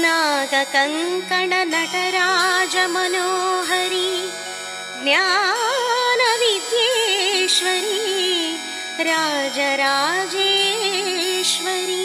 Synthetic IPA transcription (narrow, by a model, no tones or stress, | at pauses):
naːɡɐkɐŋkɐɳɐnɐʈɐɾaːd͡ʒɐmɐnoːɦɐɾi | ɡnja | nɐʋit̪jeʃʋɐɾi | ɾaːd͡ʒɐɾaːd͡ʒeː | ʃʋɐɾi